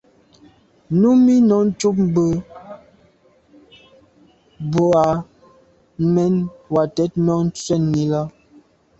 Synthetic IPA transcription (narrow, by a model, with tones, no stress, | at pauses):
nu˦mi˦nɔ˨˦n̩˦t͡ʃu˦p̚m˦bə˦ | bo˨a˨˦ | mɛ˦nwa˨tɛ˦t̚nɔ˨˦n̩˦t͡sɥɛ˦˨nːi˨˦la˦